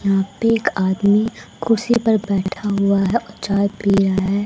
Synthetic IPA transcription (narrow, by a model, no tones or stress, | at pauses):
jɐɦãpeːkaːd̪mikʊɾsipɐɾbɛːʈʰaɦʊaɦɛʔɔt͡ʃaːjbʱiɾaaɦɛː